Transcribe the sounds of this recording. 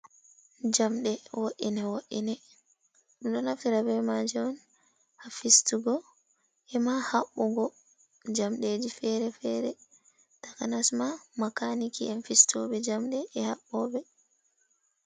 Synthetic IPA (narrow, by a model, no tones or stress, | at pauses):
d͡ʒamɗɛwoʔḭnɛwoʔḭnɛ | ɗuɗɔnafiɾabɛmad͡ʒɛwɔn | hafistuɡɔ | ɛmahaɓːuɡɔ | d͡ʒamɗed͡ʒifɛɾɛfɛɾɛ | tḁkanasmamakanikiɛnfistɔɓɛd͡ʒamɗɛːhaɓːɔbɛ